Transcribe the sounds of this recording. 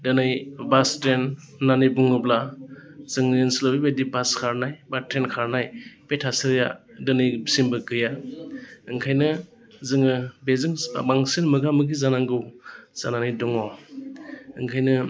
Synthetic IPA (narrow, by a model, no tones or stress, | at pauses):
dɯnɯjbastɾenː | anijbuŋɡɯblazɯŋjensilɔbibedibaskʰaɾnajbatɾenkʰaɾnajpetʰasɯɾja̰dɯnɯjbsimbɯɡɯja | ɯŋkʰajnɯ | zɯŋɯbezɯŋbaŋsinmɯɡamɯɡizanaŋɡɯwz̥ananɯjdɔŋɔ | ɯŋkʰajnɯ